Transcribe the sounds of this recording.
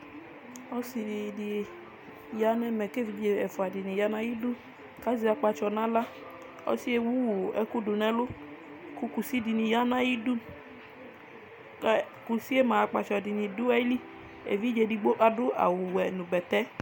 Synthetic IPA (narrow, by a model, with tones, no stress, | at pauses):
ɔ˦si˧i˨di˨ | ja˦nɛ˦mɛ˨ke˦˨vi˨˦d͡ʒe˨ɛ˨fʊ˨a˨di˨ni˨ja˦na˦ji˦du˦ | ka˦zi˨˦a˨˧k͡pa˧t͡ʃɔ˨na˦la˦ | ɔ̰˦si˦e˦wu˦wɛ˦ku˦du˨nɛ˦lʊ˦ | ku˦ku˨si˦di˨ni˨ja˦na˦ji˦du˦ | ku˨si˦e˦ma˨a˨k͡pa˧˨t͡ʃɔ˨di˨ni˨du˦a˦li˦ | ḛ˨vi˦d͡ʒe˧˨di˧ɡ͡bo˦ʔa˨dʊ˦ʔa̰˨wʊ˨wɛ˨nu˨bɛ˨tɛ˦